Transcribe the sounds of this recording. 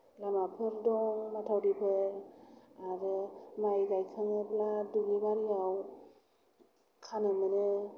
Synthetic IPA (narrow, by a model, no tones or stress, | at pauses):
lamapʰeɾdɔmatʰawdipʰe | aɾemajɡajkʰaŋebladulibaɾiaw | kʰanɯmine